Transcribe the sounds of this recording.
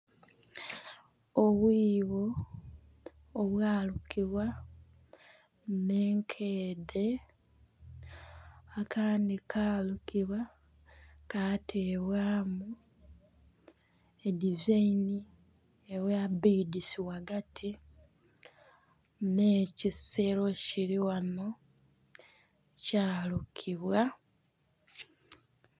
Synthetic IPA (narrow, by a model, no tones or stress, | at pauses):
oβwiːβo̞ | βwaːlukʰiβwa | mne̞ːŋkʰeːðe | akʰaːndikʰaːlukiβwa | kaːtʰeβwaːmu | edizaini | eβwabidisiwaɡatʰi | neːciseɾo̞ciliwano | caːlukʰiβwa